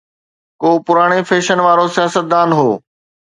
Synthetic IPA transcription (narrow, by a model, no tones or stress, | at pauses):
koːpʊɾaːɽ̃efeːʃənʋaːɾosijaːsət̪̚d̪ãːnɦoː